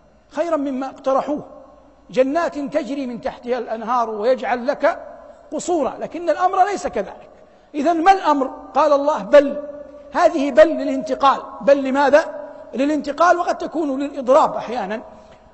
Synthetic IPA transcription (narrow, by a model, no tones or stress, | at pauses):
xajɾanmɪmːaʔɪqt̪ɑɾˤɑħuːh | d͡ʒanːaːt̪nt̪ad͡ʒɾiːmɪnt̪aħt̪ɪhalʔanɦɑːɾˤwɪjad͡ʒʕalːakaqʊsˤuːɾˤɑ̰laːkɪnːalʔamɾˤlejsakaða̰ːlɪk | ʔɪðanmalʔamɾqɑːlɑlˤːɑːhbalhaːðɪhɪbalːɪlɪnt̪ɪqɑːlbalːɪmaːðalɪlɪnt̪ɪqɑːlwɑqɑd̪̚t̪akuːnlɪlʔɨd̪ˤɾˤɑːbʔaħjaːnan